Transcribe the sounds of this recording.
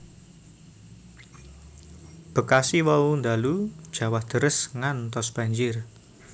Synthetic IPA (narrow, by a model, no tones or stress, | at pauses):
b̥ə̤kasiwawund̪alu̥ʒ̥a̤wahd̪̥əɾəsŋant̪ɔsb̥a̤ɲd͡ʒɪr